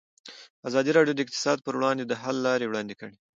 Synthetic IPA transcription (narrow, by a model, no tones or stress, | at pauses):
azɑd̪iɾɑɖjod̪əɪq̚t̪ɪ̥sɑd̪̚pəɾwɽɑnd̪ed̪əɦalːɑɾewɽɑnd̪ekəɽe